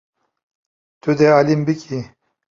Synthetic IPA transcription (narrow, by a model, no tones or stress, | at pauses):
t̪ud̪ealimbiki